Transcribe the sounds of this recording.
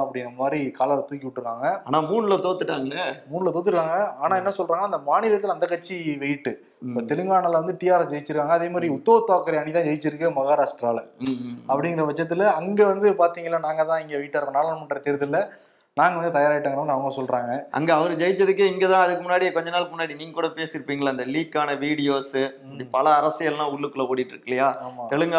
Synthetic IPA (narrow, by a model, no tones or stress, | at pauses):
ɐpːɐɽɪŋɡɪɾɐmaːd̪ɾikaːlɐɾt̪uːkːɪʋɪʈːɾɯkːaːŋɡɐaːnaːmuːɳɯlɐt̪oːt̪ːɯʈːaːŋɡɐɭɐmuːɳɯlɐt̪oːt̪̬ːɯɾɯkːaːŋɡɐaːnaːɛnːɐsɔlraːŋɡnːaːɪnd̪ɐmaːnɪɾɐt̪ːɯlɐnd̪ɐkːɐt͡ʃːiʋɛjʈːɯ | t̪ɛlɯŋɡaːɳɐlʋɐnd̪ɯʈijaːɾɐsd͡ʒɐjɪt͡ʃːɪɾɯkːaːŋɡɐðeːmaːd̪ɾiʊt̪ːɐʋɐt̪ːoːkːɐɾɐɐnɳːit̪ãːd͡ʒɐjt͡ʃːɪɾɯkːɯmɐɣaːɾaːsʈɾaːlɐpːɐɽɪŋɡɪɾɐʋɐt͡ʃːɐt̪ːɪlɐŋɡeʋɐnd̪ɯpaːɾt̪iːŋɡɐlːaːnaːŋɡɐt̪ãːɪŋɡeʋiːɪʈːaːɾkɐnaːlɐnmɐʈːɾɐt̪eɾɯt̪ːɯlːɐ | naːŋɡɐʋɐnd̪ɯt̪ɐjaːɾaːɪʈːaːŋɡɐɾɐmɐnɐʋɐŋɡɐsɔlɾaːŋɡɐɐ̰ŋɡeɐʋɐɾɯd͡ʒɐjɪt͡ʃːɐðɯk̬ːɯɪŋɡeːt̪ãːɐðɯkːɯmʊnːaːɽikɔɲd͡ʒɐnaːlkɯmʊnːaːɽiniːŋɡɐkuːɽɐpeːsɪɾɯpːiːŋɡɐɭaːɪnd̪ɐliːkːaːnɐʋiːɽɪjoːs | ɐɽipɐlɐːɾɐsɪjɐllãːʊɭːɯkːɯlɐoːɽiʈːɾɯkːɪlɐjaːaːmaːt̪ɛɭɯŋɡa